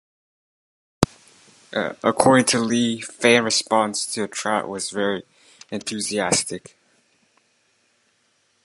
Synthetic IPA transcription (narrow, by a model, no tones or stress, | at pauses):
ʔəkʰɔɹɾɪ̃ŋtʰəlifæ̃nɹɨspɑ̃nstʰɨːtʰɹ̥æ̰ʔwʌzvɛɹi | ɨ̃nθʉziæstɨk